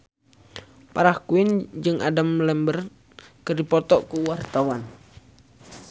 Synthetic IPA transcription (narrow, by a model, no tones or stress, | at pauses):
paɾahkuɪnd͡ʒɨŋʔadamlɛmbər | kərdipɔt̪ɔʔkuwart̪awan